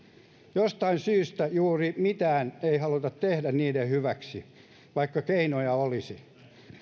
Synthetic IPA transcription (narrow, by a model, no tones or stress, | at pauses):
jost̪ɑinsyːst̪æjuːrimit̪æːneihɑlut̪ɑt̪t̪ehdænniːdehhyʋæksi | ʋɑikːɑkeinojɑolisi